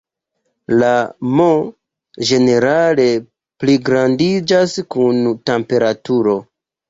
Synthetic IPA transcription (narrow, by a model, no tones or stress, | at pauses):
lamo | d͡ʒe̞ne̞ɾale̞ | pliɡɾandid͡ʒaskuntempe̞ɾatuɾo̞